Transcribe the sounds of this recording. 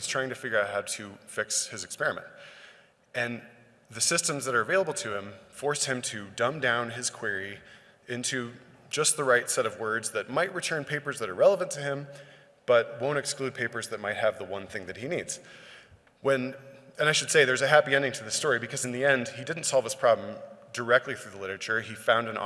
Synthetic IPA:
hiz̥tʰaɪɪ̃ŋtʰɨfɪɡjə˞aʊt̚haʊɾɨfɪkshɨzɨkspɛɹɨmɨ̰̃nt | ɨ̃n | ðɨsɪstɨ̃mzðɨɾə˞ɨveɪlˠəbl̩ˠtʰɨɪ̃ɱfɔɹshɨ̃mtʰɨdʌ̃mdãʊ̃nɪz̥kʰw̥ɪɹi | ɪ̃ntʰʉ | d͡ʒʌst̪̚ðəɹaɪtsɛɾʌvwɜ˞dzðɨt̚maɪʔ̚ɹitʰɜ̃˞npʰeɪpə˞zðɨɾə˞ɹɛlˠəvɨ̃ntʰɨɪ̃m | b̥ʌt̚wõʊ̃ntɨksklʉd̚pʰeɪpə˞zðɨt̚maɪt̚hɨvðəwʌ̃nθɪ̃ŋðɨt̚hinidz̥ | wɨ̃nɨ̃ñaɪʃɨd̥seɪðə˞zɨɦæpiɛ̃ndɪ̃ŋtʰɨðɪstɔɹibɨkʰʌzɨ̃n̩ðiɛ̃nd̥idɪdⁿn̩tsɑlˠv̥ɨz̥pʰɹ̥ɑblə̃mdə˞ɛk̚tˡliθɹʉðəlɪɾə˞ɨt͡ʃə˞ifãʊ̃ndɨ̃n̰

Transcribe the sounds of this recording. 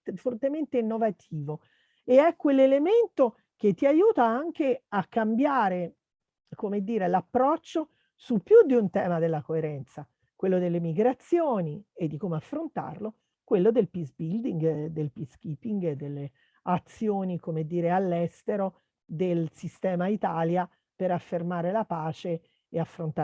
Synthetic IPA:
fort̪ement̪einːovat̪ʰiːvo | eɛkːwelːelement̪o | k̟et̪ːiajuːt̪aaŋk̟eakːambjaːɾe | komed̪ːiːɾelapːɾɔt͡ʃːo | supːjud̪ːiunt̪ɛːmad̪elːakoeɾɛnt̪sa | kwelːod̪elːemiɡɾat̪sːjoːnied̪ːikomeafːɾont̪a̰rlo | kwelːod̪elpizbild̪iŋɡd̪elpisk̟iːpiŋɡed̪ːelːe | at̪sːjoːnikomed̪ːiːɾealːɛst̪eɾo | d̪elsist̪ɛːmait̪aːlja | peɾafːermaːɾelapaːt͡ʃe | eafːɾont̪a

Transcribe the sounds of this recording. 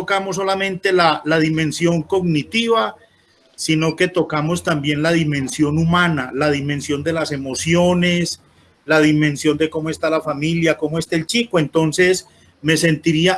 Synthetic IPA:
okamosːolamẽ̞nt̪e̞lalaðimẽ̞nsjo̞ŋko̞ɡnit̪iβa | sino̞ke̞t̪o̞kamo̞st̪ambje̞nlaðimẽ̞nsjo̞numãnalaðimẽnsjo̞nd̪e̞lase̞mo̞sjo̞ne̞s | laðimẽ̞nsjo̞nd̪e̞ko̞moe̞st̪alafamiljako̞moest̪aelt͡ʃikoe̞nt̪o̞nse̞s | me̞se̞nt̪iɾia

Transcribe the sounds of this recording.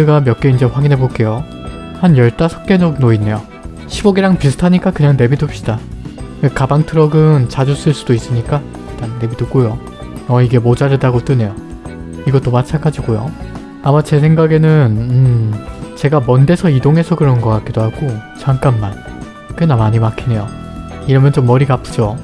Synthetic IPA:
ɯɡamjʌk͈eind͡ʑe̞ɸwaɡinɦe̞bok͈e̞jo | hanjʌɭt͈asʰʌk̚k͈e̞nʌnoinːe̞jo | ɕʰibʌɡiɾaŋpisʰɯ̥tʰaɲik͈akɯɲaŋne̞bidop̚ɕ͈id̥aekabaŋtʰɯɾʌɡɯnt͡ɕad͡ʑus͈ɯɭs͈udois͈ɯɲik͈a | it͈anːe̞bidup̚k͈ojo | ʌiɡe̞mod͡ʑaɾɯdaɡot͈ɯne̞jo | iɡʌt͈omat͡ɕʰanɡad͡ʑiɡojo̰ | amat͡ɕe̞sʰe̞ŋɡaɡe̞nɯnɯmt͡ɕe̞ɡamʌnde̞sʰʌidoŋe̞sʰʌkɯɾʌnɡʌk͈at̚k͈idoɦaɡ̥ot͡ɕaŋk͈amːan | kɯnamaɲimakʰine̞jo | iɾʌmjʌnt͡ɕomːʌɾiɡapʰɯ̥d͡ʑo

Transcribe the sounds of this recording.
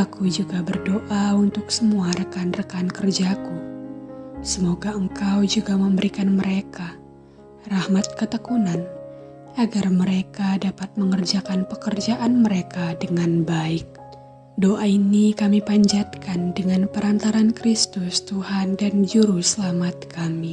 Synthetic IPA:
akud͡ʒuɡabərdoʔaunt̪ʊksəmuaɾəkanrəkankərd͡ʒaku | səmoɡaəŋkawd͡ʒuɡaməmbəɾikanməɾeka | rahmat̪̚kət̪əkunan | ʔaɡarməɾekadapat̪̚məŋərd͡ʒakanpəkərd͡ʒaʔanməɾekadəŋanbaɪk̚ | doʔainikamipaɲd͡ʒat̪̚kandəŋanpəɾant̪aɾankɾist̪ʊst̪uhandand͡ʒuɾusəlamat̪̚kami

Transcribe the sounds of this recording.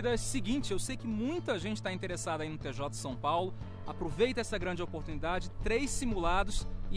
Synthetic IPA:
d̪ɐsɪɡĩt͡ʃɪewsejkɪmũj̃t̪ɐʒẽnt͡ʃɪ̥t̪aĩnt̪eɾesad̪ɐainʊt̪eʒɔt̪ɐ̥sɐ̃w̃pawlʊ | apɾovejt̪ɐɛsɐɡɾɐ̃nd͡ʒɪopoɾt̪unid̪ad͡ʒɪt̪ɾejsimulad̪ʊsɪ

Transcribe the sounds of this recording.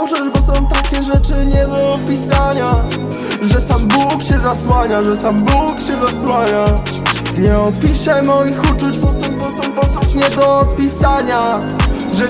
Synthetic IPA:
ʂɛʐbɔsɔ̃w̃t̪akʲɛʐɛt͡ʂɘɲɛd̪ɔpʲisaɲa | ʐɛsambukɕɛzaswaɲaʐɛsambukɕɛzaswaɲa | ɲɛɔpʲiɕɛmɔjixut͡ʂut͡ɕt̪ɔsɔ̃wt̪ɔsɔ̃w̃pɔsɔ̃pɲɛd̪ɔpʲisaɲa | ʐɛ

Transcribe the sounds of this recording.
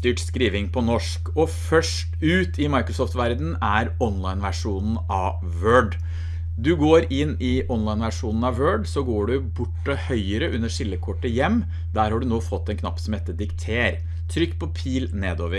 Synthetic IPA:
t̪yːʈskɾiːʋɪŋpʰɔnɔʂkɔfœʂʈʉːt̪ɪmɑɪkɾʊsɔft̪ʋæɾd̪n̩æɾɔnlɑɪnʋæʂuːnn̩ʔɑʋ | ʋøːɖ | d̪ʉɡoːɾɪnːɪʔɔnlɑɪnʋæʂuːnn̩ɑʋʋøːɖsɔɡoːɖʉbʊʈːəhœʏəɾəʔʉnːəʂɪlːəkʰɔʈːəjɛmː | d̪æɾhɑɖʉnoːfɔt̪ːɛnkʰnɑ̰pːsɔmɛt̪ːəd̪ɪkt̪ʰeːɾ | t̪ʰɾʏkːpʰɔpʰiːlneːd̪oːʋəɾ

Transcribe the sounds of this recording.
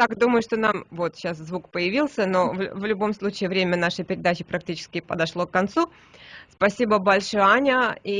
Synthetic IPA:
t̪akd̪uməjʊʂt̪o̞namvo̞t̪ɕaszvukpəjɪvʲilˠsʲəno̞vvlʲʊbo̞mslˠut͡ɕɪːvɾʲemʲənaʂɨpʲɪɾʲɪd̪at͡ɕɪpɾɐk̚tʲit͡ɕɪ̥skʲɪpəd̪ɐʂlˠo̞kːɐnt̪su | spɐsʲibəbɐlʲʂojanʲəi

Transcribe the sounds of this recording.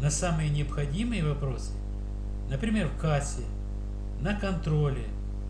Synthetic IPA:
nɐsamɨjənʲɪɐpxɐdʲimɨjəvɐpɾo̞sɨ̥ | nəpɾʲɪmʲe̞rfkasʲɪ | nɐkɐnt̪ɾo̞lʲɪ

